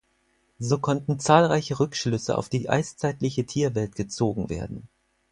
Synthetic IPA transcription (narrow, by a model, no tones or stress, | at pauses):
zoːkʰɔntn̩t͡saːlʁaɪçəʁʏkʃlʏsə̰ʔa̰ʊfd̥iːʔa̰ɪst͡saɪtlɪçətʰiːɐvɛltɡ̥ət͡soːɡŋ̩vḛːɐdn̩